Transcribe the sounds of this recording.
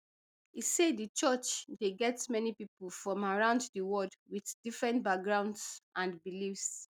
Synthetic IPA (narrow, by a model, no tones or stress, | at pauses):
isedət͡ʃɔt͡ʃdeɡɛtmɛnipipəl̩fɹɔ̃maɹãʊ̃nddəwɔdwiθdifɹɛ̃ntbak̚ɡɹãʊ̃ndsʔãnbilifs